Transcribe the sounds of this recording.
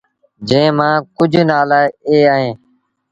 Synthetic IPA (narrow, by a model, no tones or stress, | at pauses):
d͡ʒẽːmãːkʊd͡ʒʱnaːlaːɪeːaːɦẽː